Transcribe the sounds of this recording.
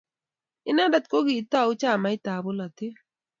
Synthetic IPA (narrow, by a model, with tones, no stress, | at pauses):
ɪ˦na˦da˦t̪̚ko˦ɡi˨t̪a˦˨ʊ˦t͡ʃa˦˨ma˨˦ɪ˦t̪a˨bo˦la˨t̪ɪ˦